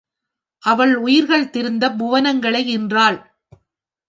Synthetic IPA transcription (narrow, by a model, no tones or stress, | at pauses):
ʔɐʋɐɭʊjɪɾɣɐɭt̪ɪɾɯnd̪ɐbʊʋɐnɐŋɡɐɭɐɪɪndraːɭ